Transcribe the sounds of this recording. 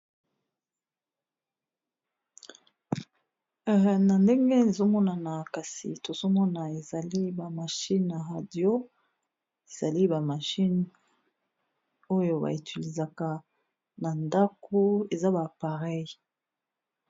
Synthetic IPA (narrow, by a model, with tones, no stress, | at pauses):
na˨nde˦ŋɡe˦ne˨zo˦mɔ˦na˨na˨ka˨sḭ˨to˨zo˦mɔ˦na˨e˨za˨li˦ba˨ma˨ʃi˦na˨ʁa˨djo˦ | e˨z̥a˨li˦ba˨ma˨ʃi˦n | o˦jo˨ba̰˨i˨tʰi˨li˨za˨ka˦ | na˨nda˦ko˦e˨za˦ba˨pa˨ʁɛ˦j